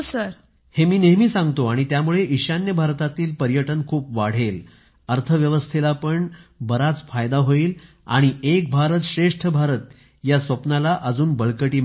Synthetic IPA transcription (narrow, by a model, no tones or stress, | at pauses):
səɾ | hemiːneɦmiːsãŋɡt̪oaɽ̃it̪jamuɭeʔiɕanjəbʱaɾt̪at̪iːlpəɾjəʈənkʰuːpʋaɽ̤el | əɾt̪ʰəʋjəʋəst̪ʰelapəɳbəɾat͡sfajd̪aɦoiːl | a̰ɽ̃iek̚bʱaɾət̪ɕɾeʂʈʰəbʱaɾət̪ | jasʋəpnalaʔəd͡zuːnbəɭkəʈiː